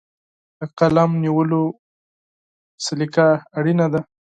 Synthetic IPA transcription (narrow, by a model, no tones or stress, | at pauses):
d̪əqalamniwəlo | sɪlikaːɽinad̪a